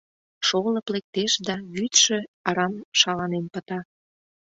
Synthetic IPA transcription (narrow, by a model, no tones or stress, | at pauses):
ʃonɤ̆plek̚t̪eʃd̪ɑβyt̪ʃĕɑɾɑmʃɑlɑnempət̪ɑ